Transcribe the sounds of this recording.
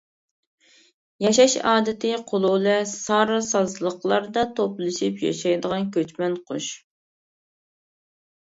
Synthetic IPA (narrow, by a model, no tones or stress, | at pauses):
jɑʃɑʃɑːd̪ɪt̪ʰɨqʰolˠulˠɛsɑɾɑsɑzlˠəqlˠɑɾd̪ɑt̪ʰoplˠɨʃipjɑ̰ʃɑjd̪əʁɑnkʲʰøt͡ʃmɛnqʰoʃ